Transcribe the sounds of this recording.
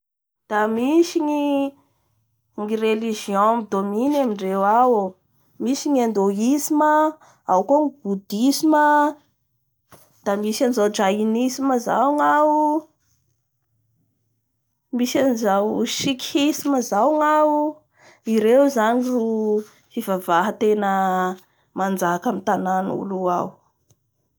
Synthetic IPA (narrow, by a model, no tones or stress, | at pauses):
d̪̥amisiŋi | ŋireliʒiõmid̪ominamiɳɖ͡ʐewawu | misiɲand̪oisimə | a̰wkoŋibud̪isimə | d̪̥amisanizawd͡ʒainisiməza̰wŋau | misanizawʃikʲhisiməzawŋau | iɾewzaniru | fivavaɦət̪enə | mand͡zakamit̪ananṵlua̰w